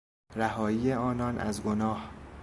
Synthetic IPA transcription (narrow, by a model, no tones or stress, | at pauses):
ɾæhɒːiːjeɒːnɒːnʔæ̰zɡonɒːh